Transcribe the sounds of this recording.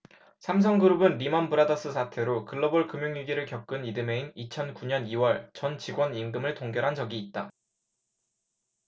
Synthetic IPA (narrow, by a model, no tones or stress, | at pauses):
sʰamsʰʌŋɡɯɾubɯnɾimʌnbɯɾadʌs͈ɯsʰatʰe̞ɾokɯɭːʌboɭkɯmjoŋjuɡiɾɯɭkjʌp̚k͈ɯnidɯme̞iŋit͡ɕʰʌnkuɲʌniwʌɭt͡ɕʌnt͡ɕiɡwʌnimɡɯmɯɭtoŋɡjʌɾɦand͡ʑʌɡiːt̚t͈a